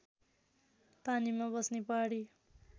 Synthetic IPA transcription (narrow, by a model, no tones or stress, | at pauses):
panimabʌsnepʌɽi